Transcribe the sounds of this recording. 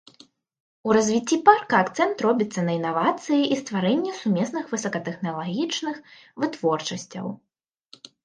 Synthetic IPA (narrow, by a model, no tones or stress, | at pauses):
uɾɐzʲvʲit͡sʲːiparkɐːkt̪sɛnt̪rɔbʲit̪sːɐnɐinavat̪sɨjiʔist̪vaɾɛnʲːɛsumʲɛsnɨxvɨsɐkɐt̪ɛxnɐlˠaɣʲit͡ʂnɨx | vɨt̪vɔrt͡ʂɐsʲt͡sʲɐ̰w